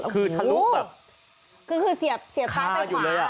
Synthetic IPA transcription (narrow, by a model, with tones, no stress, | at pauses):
kʰɯː˧˩t̪ʰa˧llu˦˥bɛː˨˩p̚ | kʰɯː˧kʰɯː˧si˨˩˦əp̚si˨˩˦a˧juː˨˩lɤː˧jʔa˨˩